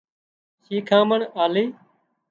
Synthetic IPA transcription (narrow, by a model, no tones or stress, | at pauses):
ʃiːkʰãːməɳaːliː